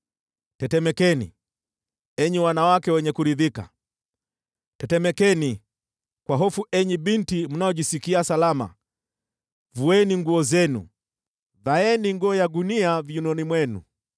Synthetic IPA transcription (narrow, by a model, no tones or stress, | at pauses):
tɛtɛmɛkɛnḭ | ɛɲiwanawakɛwɛɲɛkuɾiðika̰ | tɛtɛmɛkɛni | kwaɦɔfuʔɛɲiɓintim̩naɔʄisikiasalama̰ | vuɛniŋɡuɔzɛnṵ | ðaɛniŋɡɔːjaɡuniavjunɔnimwɛnṵ